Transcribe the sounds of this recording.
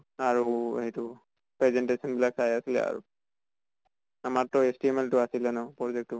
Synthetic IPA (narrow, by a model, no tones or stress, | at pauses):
aɹuḛhɛjtʊ | pɹɛzɛntesɔnbilak̚sajasilɛ̰a̰ɹṵ | amaɹtɔestiemɛltʊasilɛnɔpɹɔzɛk̚tːʊ